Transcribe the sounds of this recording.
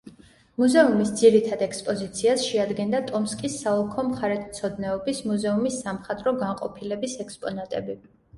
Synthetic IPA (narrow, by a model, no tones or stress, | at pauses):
muzɛumisd̪ziɾit̪ʰad̪ɛkspʼɔzit̪sʰiasʃɛad̪ɡɛnd̪at̪ʼɔmskʼisːaɔlˠkʰɔmχaɾɛt̪ʰt̪sʰɔd̪nɛɔbismuzɛumisːamχat̪ʼɾɔɡaɴqʼɔ̰pʰilɛbisɛkspʼɔnat̪ʼɛbi